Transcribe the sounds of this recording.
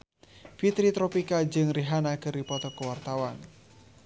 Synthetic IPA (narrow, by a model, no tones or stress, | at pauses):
fit̪ɾit̪ɾɔpikad͡ʒɨŋɾiɦanakɨripɔt̪ɔkəwart̪awan